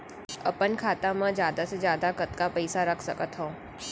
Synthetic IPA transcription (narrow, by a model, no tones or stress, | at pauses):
ɐ̰pənkʰaːt̪amãd͡ʒjaːd̪ased͡ʒjaːd̪akət̪kapɐɪsaɾɐkʰsəkət̪ɦõː